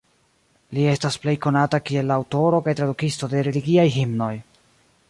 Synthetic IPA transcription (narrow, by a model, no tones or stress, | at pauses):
lie̞stasple̞jko̞natakie̞lːaːwto̞ɾo̞kajtɾadukisto̞de̞ɾe̞liɡiajɦimno̞j